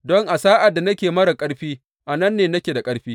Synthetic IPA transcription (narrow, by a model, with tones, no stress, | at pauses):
dɔ˦ŋʔa˨saː˦ʔa˨dːa˨nɐ˦kʲeː˨mɐ˦ɽɐ˨kʼɐ˦ɽɸiː˦ | ʔa˨nɐ˦nːeː˨nɐ˦kʲeː˨da˨kʼɐ˦ɽɸiː˦